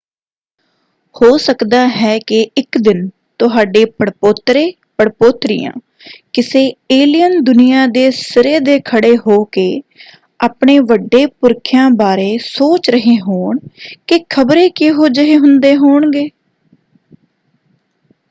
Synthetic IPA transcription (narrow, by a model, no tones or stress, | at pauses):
hoːsəkd̪aːɦɛːkɪɪkd̪ɪn | t̪ʊɦaːɖeːpəɽpoːt̪ɾeː | pəɽpoːt̪ɾɪ̰jã̰ː | kɪseːeːlijənd̪ʊnɪjaːd̪eːsɪɾeːd̪eːkʰəɽeːɦoːkeː | aːpɳeːʋəɖːeːpʊɾkʰɪjãːbaːɾeːsoːt͡ʃɾəɦeːɦoːɳkɪkʰəbɾeːkeɦoːd͡ʒəɦeːɦʊnd̪eːɦoːɳɡeː